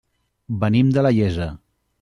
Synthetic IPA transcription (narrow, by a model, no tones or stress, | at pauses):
bənimd̪ələʎezə